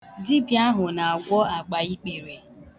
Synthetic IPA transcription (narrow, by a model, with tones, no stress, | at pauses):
di˦bja˦ɦʊ˨na˨a˨ɡʷɔ˦a˨ɡ͡ba˨i˦k͡pe˨ɾe˨